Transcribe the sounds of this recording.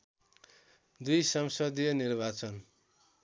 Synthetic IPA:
d̪ujsʌmsʌd̪ijʌnirbat͡sʌn

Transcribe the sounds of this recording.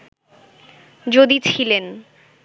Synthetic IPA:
d͡ʑod̪it͡ɕʰilen

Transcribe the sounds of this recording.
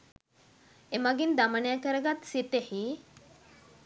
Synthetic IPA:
emaɡind̪amənəjakəɾəɡat̪sit̪ehi

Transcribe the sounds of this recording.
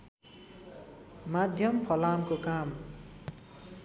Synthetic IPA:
mad̪ʱjʌmpʰʌlamkokam

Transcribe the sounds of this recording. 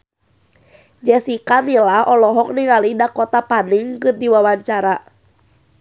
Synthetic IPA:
d͡ʒɛsikamilahɔlɔɦɔk̚niŋalidakɔt̪apaniŋkɨrdiwawaɲt͡ʃaɾa

